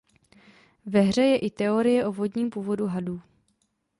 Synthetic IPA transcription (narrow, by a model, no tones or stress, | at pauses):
vɛɦr̝ɛjɛʔɪt̪ɛo̞ɾɪjɛʔo̞vo̞dɲiːmpuːvo̞duɦaduː